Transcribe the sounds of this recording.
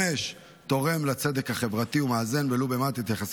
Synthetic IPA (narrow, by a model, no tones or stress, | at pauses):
eʃ | t̪o̞ʁe̞mlat͡se̞d̪e̞khaχe̞vʁat̪iumaːze̞nvelobemat̪et̪jaχas